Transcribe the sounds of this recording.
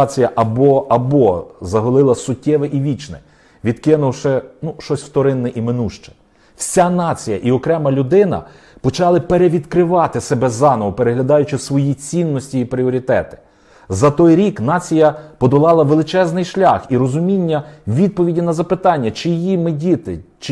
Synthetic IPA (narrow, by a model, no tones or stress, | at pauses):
t͡sʲijɐʔɐbɔɐbɔzɐɦɔlˠɪlˠɐsʊtʲːɛʋɛʔiʋʲit͡ʃnɛ̰ | ʋʲid̪kɪnʊwʃɛnuʃɔsʲwt̪ɔɾɪnːɛʔimɪnuʃt͡ʃɛ̥ | wsʲanɑt͡sʲijɐʔiɔkɾɛmɐlʲʊd̪ɪnɐ̰ | pɔt͡ʃɑlˠɪpeɾeʋʲid̪kɾɪʋɑt̪ɪsebɛzɑnɔʋɔpeɾeɦlʲɐd̪ɑjʊt͡ʃɪsʋɔjit͡sʲinːɔsʲtʲiːpɾʲiɔɾʲit̪ɛt̪ɪ̥ | zɐt̪ɔjɾʲiknɑt͡sʲijɐpɔd̪ɔlˠɑlˠɐʋelˠɪt͡ʃɛznɪjʃlʲɑxiɾɔzʊmʲinʲːɐʋʲid̪̚pɔʋʲidʲinɐzɐpɪt̪ɑnʲːɐt͡ʃɪjimɪdʲit̪ɪt͡ʃ